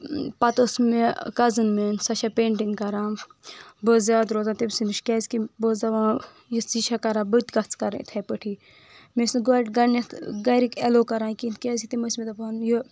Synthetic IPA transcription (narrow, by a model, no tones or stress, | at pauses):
pɐt̪osmekɐzɨnmensɐʃɐpeːɳʈiŋɡkɐɾãː | boːzʲjaːd̪ɾoːt̪ãːt̪ibsinɨʃkʲɛːzkiboːzɐʋãː | jisiʃʰɐkɐɾãːbət̪ʲɡɐt͡skɐɾ̰t̪ʰɐpəʈʰiː | mesnɡoʈɡɐnɐt̪ɡɐɾikeloːkɐɾaːkint̪kʲeːzk̚t̪imɐsmet̪ɐpɐnjo